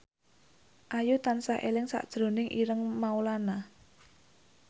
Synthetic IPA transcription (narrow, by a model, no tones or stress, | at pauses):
ʔajut̪ansahʔḛlɪŋsa̰ʔd̥ʒ̥ɾo̤nɪŋʔiɾəŋmaulana